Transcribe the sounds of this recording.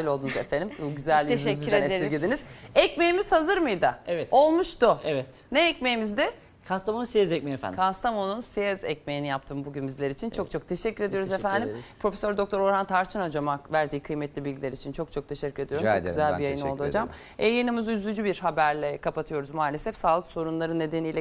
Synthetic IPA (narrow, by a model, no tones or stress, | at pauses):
ilʲolˠd̪unuzefend̪imuɟyzælʲːeʃɛɾeeɾiɡʲid̪iniz̥ɛcme̞jimiz̥hazɯɾmɯjd̪aevɛt̪o̞lˠmuʃt̪uevɛt̪neːc̚mejimizd̪ɪ | kʰast̪amonusezɛc̚mejfæ̰nkʰast̪ʰamonunsezɛ̰c̚me̞jinijapt̪ʰɯːmbuɟynbizlʲeɾit͡ʃʰint͡ʃʰo̞k̚t͡ʃʰo̞k̚t̪ʰe̞ʃɛcːyɾe̞d̪ijoɾuzefænd̪impʰɾo̞fesøɾd̪o̞k̚t̪ʰo̞ɾo̞ɾant̪ʰaɾt͡ʃʰɯnad͡ʒamavæɾd̪iːkʰɯjmɛt̪lʲibilʲɟʲilʲeɾit͡ʃʰint͡ʃʰo̞k̚t͡ʃʰo̞k̚t̪ʰe̞ʃɛcːyɾe̞d̪ijomt͡ʃoɡyzælʲbijajɯnolˠd̪uadd͡ʒam | ejinɯmɯzyzlʲyd͡ʒybiɾhabæɾlʲɛkʰapat̪ʰɯjo̞ɾuzmaːlʲesɛfsaːlˠɯkso̞ɾunlˠaɾɯnːe̞d̪e̞nijlʲɛ